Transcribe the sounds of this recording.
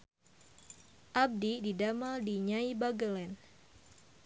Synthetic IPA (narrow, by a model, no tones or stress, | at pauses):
ʔab̚dididamadiɲaibaɡəlɛn